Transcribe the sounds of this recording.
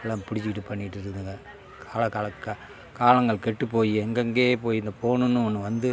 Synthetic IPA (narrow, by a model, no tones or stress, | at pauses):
ɪlɐmpʊɽɪt͡ʃːɪɪʈːɯpɐɳːɪʈːɯɾɯɯŋɡɐ | kʰaːlɐkːaːlɐkːɐ | kaːlɐŋɡɐɭkɛʈːɯpːoːjiɛŋɡɐŋɡeːpoːjɪnd̪ɐpoːnɯnːɯɔnːɯʋɐnd̪ɯ